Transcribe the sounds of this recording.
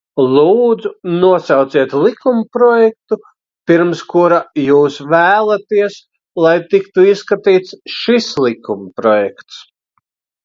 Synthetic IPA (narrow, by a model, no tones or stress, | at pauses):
lˠuːd̪zunuɔsɑwt̪siɛt̪lˠikumpɾɔjɛk̚t̪u | piɾmskuɾajuːsvæːlˠat̪iɛs | lˠajt̪ikt̪uisːkat̪iːt̪sʃislˠikumpɾɔjɛkt̪s